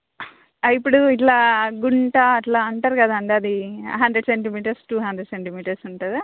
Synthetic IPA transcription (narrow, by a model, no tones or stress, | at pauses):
ɐipːuɽuiʈlaːɡuɳʈɐːʈlaːɐɳʈɐɾkaːd̪aɐɳʈeɐd̪iɦɐnd̪ɾeɖseɳʈimiːʈɐɾsʈuːɦɐnd̪ɾeɖseɳʈimiːʈɐɾsuɳʈɐd̪i